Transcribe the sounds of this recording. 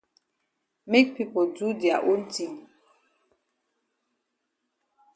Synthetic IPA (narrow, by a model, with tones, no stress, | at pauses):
me˦k̚pi˦po˨du˦di˨a̰˨ʔo˦n̩˦ti˨ŋ